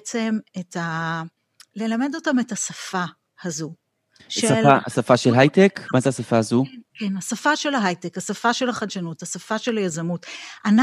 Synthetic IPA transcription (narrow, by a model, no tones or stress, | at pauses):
t͡se̞meta | le̞lame̞do̞tametasafa | hazu | ʃsealaa̰safaʃelɦajtekmazeasafaazukenasafaʃe̞laɦajtekhasafaʃe̞laχadʃanuthasafaʃelajazamutʔana